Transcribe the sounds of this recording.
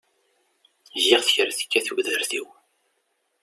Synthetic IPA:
ʒɪʁθəçəɾθə̥kːæθuɡðəɾθiw

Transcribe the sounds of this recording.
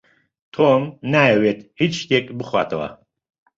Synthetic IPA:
t̪ʰomnaːjɛwet̪̚ʰhit͡ʃʃt̪ekʼbɨχwa̰ːt̪ʰɐwɐ̰

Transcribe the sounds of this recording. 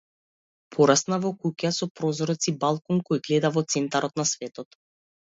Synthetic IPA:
pʰɔɾasnavɔkukasɔpɾɔzɾɔt̪sibalˠkɔŋkɔjɡlɛd̪avɔt̪sɛnt̪aɾɔt̪nasvɛt̪ɔt̪

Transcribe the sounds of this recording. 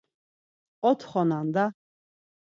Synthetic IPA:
qʼɔt̪ʰχɔnand̪a

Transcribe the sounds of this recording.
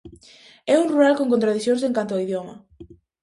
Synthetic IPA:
ɛunruɾalkoŋk̬õnt̪ɾaðiθjõŋs̬eŋkant̪̬oaiðjomɐ̰

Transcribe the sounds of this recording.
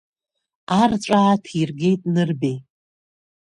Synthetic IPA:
arʈ͡ʂʷʼaːtʰirɡʲe̞jtʼnɨrbe

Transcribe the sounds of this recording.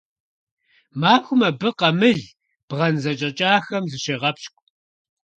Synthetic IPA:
maːxʷʊmɐbɨqɐmɨɮ | b̥ʁɐnzɐt͡ʃʼɐt͡ʃʼaːxɐmzɨʃeːʁɐpʃkʷʼ

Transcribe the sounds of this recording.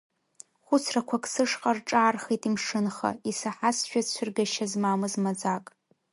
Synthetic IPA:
χʷʊt͡sʰrakʷʰakʰʼsɨʂqʼarʈ͡ʂʼaːrχejtʼimʂɨnχa̰isaħasʃᶣat͡ɕʷʰɪrɡaʃazmamɨzmad͡zakʼ

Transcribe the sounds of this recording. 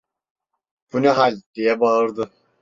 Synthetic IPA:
b̥unuɦalʲd̪̥ijɛbaɯɾd̪ɯ

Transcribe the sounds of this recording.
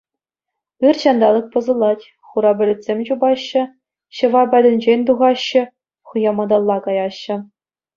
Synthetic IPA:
ɯrɕɑnd̪ɑlˠɤ̆k̚pɤ̆zɤ̆lˠɑtʲ | χuɾɑbʲɘ̆lʲɘ̆tʲsʲemʲt͡ɕubɑɕːɘ̆ | ɕɤ̆ʋɑbʲædʲɘ̆nʲd͡ʑenʲt̪uʁɑɕːɘ̆ | χɯjɑmɑd̪ɑlˠːɑkɑjɑɕːɘ̆

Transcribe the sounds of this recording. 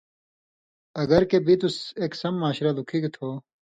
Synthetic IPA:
ɐɡɐɾkebʱit̪useːksɐmːaːɕɾalukʰiɡt̪ʰoː

